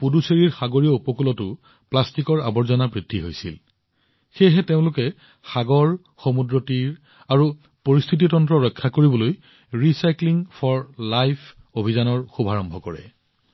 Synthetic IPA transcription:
puduseɹiɹxaɡoɹijɔupɔkulɔtʊ | plastikɔɹa̰bɔɹzɔnapɹidʱːiɦojsḭl | xejɦɛteʊ̃lʊkɛ | xaɡɔɹ | xomudɹotiɹ | aɹu | poɹist̪ʰit̬itɔntɹɔɹɔjkʰːakoɹibɔloj | ɹisajkliŋpʰɔɹlajpʰ | obʱizanɔɹxubʱaɹɔmbʱɔkɔɹɛ̰

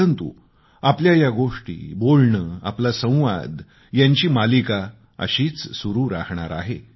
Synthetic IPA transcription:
ənt̪ṵ | apljajaɡoʂʈḭːbolɳəa̰plasə̃w̃ʋa̰d̪ | jaɲt͡ɕiːmalika | ə̰ɕiːt͡ssuɾuːɾakɳ̃a̰ɾa̰ɦe

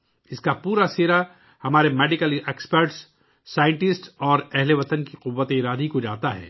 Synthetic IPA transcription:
ɪskapuːɾaseːɾa | hɐmaːɾemeːɖɪkəleːkspəɾʈsː | aːjə̃ɳʈɪsʈɔːɾɛɦleʋɐt̪ənkiqʊbːət̪eɪɾaːd̪ʱikod͡ʒaːt̪aɦɛ̰ː

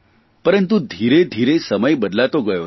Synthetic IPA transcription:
pəɾənt̪ud̪ʱiɾed̪ʱiɾesəməjbəd̪lat̪oɡəjo

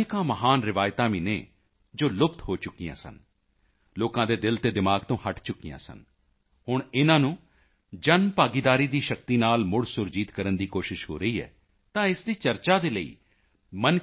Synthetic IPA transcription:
kãːməɦaːnɾɪʋaːjt̪ãːʋiːnḛː | d͡ʒoːlʊpt̪ɦoːt͡ʃʊkːijã̰ːsə̰n | loːkãːd̪eːd̪ɪlt̪eːd̪ɪmaːɡt̪õːhəʈt͡ʃʊkːijã̰ːsə̰n | hʊɳɪnãːnũː | d͡ʒənmpaːɡiːd̪aːɾiːd̪iːʃək̚t̪iːnaːlmʊɽsʊɾd͡ʒiːt̪kəɾənd̪iːkoːʃɪʃɦo̰ːɾəiːɛ̰ː | t̪ãːɪsd̪iːt͡ʃəɾt͡ʃaːd̪eːləḭː | mən

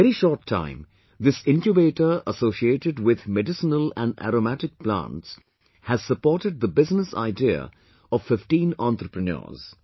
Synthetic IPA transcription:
ɛɾiʃɔːɾʈʰːã̰ɪ̃m | d̪ɪsɪ̃nkjubeːʈəɾəsoːsieːʈɪɖwɪd̪mɛɖɪsənəlæ̰̃ɳɖæ̰ɾomæʈɪk̚plã̰ːnʈs | hæzsəpɔːɾʈəɖ̚d̪əbɪznəsa̰ɪdiə̰ | ɔʋfɪfʈĩːnɑ̃nt̪ɾəpɾənɔ̰ːz̥

